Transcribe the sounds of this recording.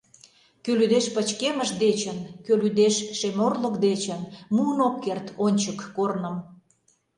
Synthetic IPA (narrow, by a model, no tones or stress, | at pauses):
kølyd̪eʃpət͡ɕkeməʃd̪et͡ɕənkølyd̪eʃːemorləkd̪et͡ɕənmuənokːert̪onʲt͡ɕəkːornə̆m